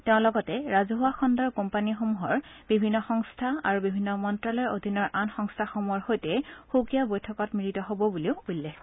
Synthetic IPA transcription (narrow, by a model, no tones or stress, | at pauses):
teʊ̃lɔɡɔtɛɹazɔɦuwaxɔndɔɹkɔmpanixomuɦɔɹb̥ibʱinːɔxɔŋstʰaa̰ɹubibʱinːɔmɔntɹalɔɹodʱinːɔɹʔanxɔŋstʰaxomuɦɔɹxojtɛxukijabojtʰɔkɔtmiɹitɔɦobɔbuliʊulːɛx